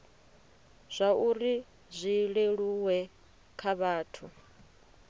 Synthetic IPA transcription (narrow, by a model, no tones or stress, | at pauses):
z̥ʷauɾi | zʷiɺeɺuwɛ | kʰaβaːtʰu